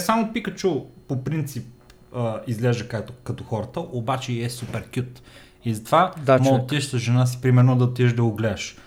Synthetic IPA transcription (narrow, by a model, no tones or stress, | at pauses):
samopikət͡ʃuːopɾint̪sip̚ | əizlɛʒd̪əkat̪kɐt̪ɔxɔɾət̪əʔobat͡ʃɛiɛsupɛɾkʲjut̪ | izɐt̪vamɔt̪ːiɛʃt̪əʒɛnas̬i̥pɾimɛɾnod̪ɐot̪ːiɛʒd̪ɐʊɡlɛːʃ